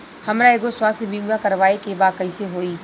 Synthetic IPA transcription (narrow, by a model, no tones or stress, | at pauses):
hɐmɾaeːɡoswaːst̪biŋɡãkəɾʋaːekebaːkəiseɦoːiː